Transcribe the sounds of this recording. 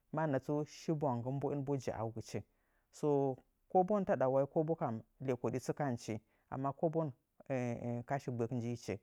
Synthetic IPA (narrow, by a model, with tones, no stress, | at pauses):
ma˦˨na˨t͡su˦ʃi˦ba˨ŋɡə˦m˦bo˦i˦nbo˦d͡ʒḭ˨ʔa̰˨wɡə˨t͡ʃe˨ | so˦ | ko˦bo˦n˦ta˦ɗa˨wa˦i˦ko˦bo˦ka˨mle˨ko˨di˦t͡su˦ka˦nt͡ʃi˨ | a̰˨mːa˦ko˦bo˦n˨ | ka˦ʃi˨ɡ͡be˨kn˦d͡ʒi˦i˦t͡ʃḛ˨